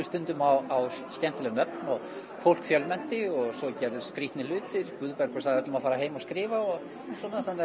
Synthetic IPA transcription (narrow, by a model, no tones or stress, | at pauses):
ʏst̪ʏnt̪ʏmawawscɛn̥t̪ɪlɛnœpnɔɣ | fowl̥kfjœlmɛn̥t̪ɪɔɣsɔcɛɾðʏskɾiht̪nɪlʏːt̪ɪɾkvʏðpɛɾ̥kʰɛsaðœt̪lʏmaðfaːɾaɦeːjmɔskɾɪːvaɔɣ | sɔːnaθanː